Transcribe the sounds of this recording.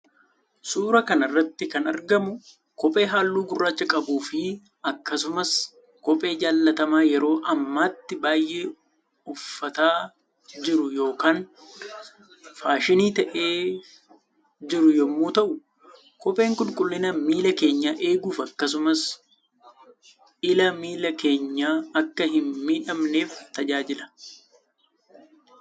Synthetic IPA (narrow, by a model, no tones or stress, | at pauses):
suːɾɐkɐnɐrːɐt̪ːɪkɐnɐɾɡɐmʊ | kɔpʼe̞ːɦaːlːuːɡʊrːaːt͡ʃːɐkʼɐbuːfɪ | ɐkːɐsʊmɐs | kɔpʼe̞ːd͡ʒaːlːɐt̪ɐmaːjɛɾo̞ːʔɐmːaːt̪ːɪbaːjʔe̞ː | ʊfːɐt̪aː | d͡ʒɪɾʊjo̞ːkaːn | faːʃɪniːt̪ɐʔe̞ː | d͡ʒɪɾʊjɔmːuːt̪ɐʔʊ | kɔpʼe̞ːŋkʊlkʼʊlːɪnɐmiːlɐke̞ːɲːaːʔe̞ːɡuːfɐkːɐs̬ʊmɐs | ɪlɐmiːlɐke̞ːɲːaːɐkːɐɦɪnmiːᶑɐmne̞ːft̪ɐd͡ʒaːd͡ʒɪlɐ̥